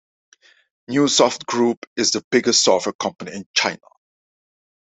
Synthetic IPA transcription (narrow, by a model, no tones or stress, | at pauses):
njusɔftɡɹuːpɪzðəb̥ɪɡəstsɔfwɛkʰʌ̃mpəniɪ̃nt͡ʃaɪnə̰